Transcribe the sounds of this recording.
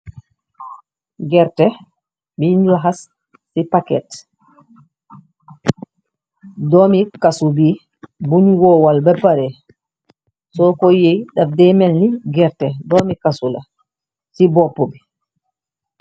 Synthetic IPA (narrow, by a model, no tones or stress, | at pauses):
ɡɛɾtɛ | minlaɦasː | ipakɛ̰t | dɔmikasubi | buniwɔwalbɛpːaɾɛ | sɔkɔjejɗafdɛmɛlniɡɛɾtɛdɔmikasula | sibɔpːɔbi